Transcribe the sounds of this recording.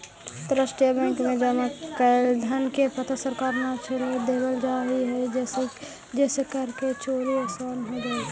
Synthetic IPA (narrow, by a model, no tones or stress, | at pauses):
t̪ɾəsʈijabɛ̃ːŋkmẽd͡ʒɐmakɛld̪ʱənkepət̪ʰəsəɾkaːɾnat͡ʃʰeɾed̪eːbəld͡ʒaːiɦɛd͡ʒ | d͡ʒɛːsekəɾket͡ʃoːɾieksaːnɦod͡ʒaːi